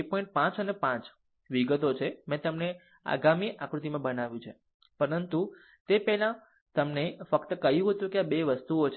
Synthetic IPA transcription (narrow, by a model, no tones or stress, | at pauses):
pɔ̃ĩɳʈ̚pãt͡ʃənepãt͡ʃ | ʋiɡət̪ot͡ʃʰemãt̪əmne | a̰ɡamiʔakɾut̪imãbənaʋjũt͡ʃʰe | pəɾənt̪u | t̪epɛɦlã | t̪əmnefəkt̪əkəɦjũɦət̪ũkeabeʋəst̪uot͡ʃʰ